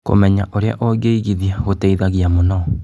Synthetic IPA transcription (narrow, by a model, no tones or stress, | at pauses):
ko̰mɛɲaʔoɾea̰ʔɔɡeiɣiðiaɣotɛiðaɣjamonɔ